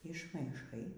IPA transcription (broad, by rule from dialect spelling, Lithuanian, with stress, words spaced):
ɪʃmɐɪˈʃɐɪ